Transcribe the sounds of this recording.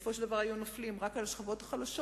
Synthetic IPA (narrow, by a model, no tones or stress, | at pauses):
foʃeld̪avaʁajunoflimʁakalʃχavo̞t̪ḁχalaʃo